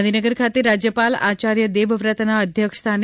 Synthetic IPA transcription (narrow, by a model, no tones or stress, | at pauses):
nʱinəɡəɾkʰat̪eɾad͡ʒjəpala̰t͡ʃaɾjəd̪eʋʋɾət̪naəd̪ʱjəkst̪ʰan